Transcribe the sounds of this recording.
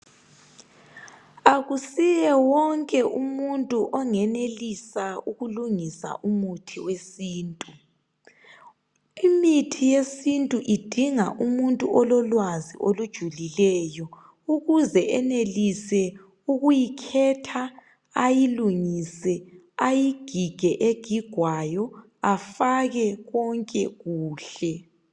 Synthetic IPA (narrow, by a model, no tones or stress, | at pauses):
aɣusijɛwɔŋkʼɛʔumuntʼuʔɔŋɛnelisauɣuluŋisa̰ʔumutʰiwesiːntʼu | imitʰijesintʼuʔid̥ʱiŋa̰ʔumuntʼuʔɔlɔlwaziʔolud̥ʒ̥ʱulilɛjɔ | uɣuzɛʔɛnelisɛ | uɣujikʰɛtʰa | ajiluŋisɛ | ajiɡ̥ʱiɡ̥ʱɛʔeɡ̥ʱiɡ̥ʱwajɔ | afaɣɛɣɔŋkʼɛɣuːɬɛ